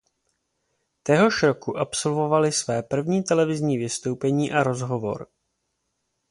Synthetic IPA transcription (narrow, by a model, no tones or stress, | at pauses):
t̪ɛɦo̞ʃɾo̞kuʔapso̞lvo̞valɪsvɛːpr̩vɲiːt̪ɛlɛvɪzɲiːvɪst̪o̞wpɛɲiːʔaɾo̞zɦo̞vo̞̰ɾ